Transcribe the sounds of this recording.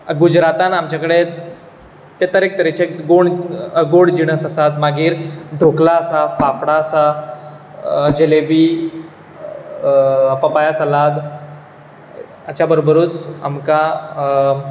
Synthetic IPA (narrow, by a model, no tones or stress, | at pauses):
ɡud͡ʑɾat̪anamt͡ɕjakəɽe | t̪ːet̪əɾek̚t̪əɾet͡ɕeɡoɳɡoɽd͡ʑiɽ̃əsəsat̪maɡiːɾɖʱoklaəsafafɽaəsa | d͡ʑelebiː | pəpajasalad̪ | at͡ɕabəɾobəɾuːt͡sa̰mka